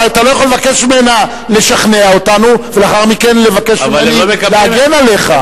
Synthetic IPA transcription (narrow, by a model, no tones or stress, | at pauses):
at̪alo̞jaχolevake̞ʃmimena | le̞ʃaχneaotanuvelaχaʁmike̞nle̞vakeʃienieleaɡenale̞χa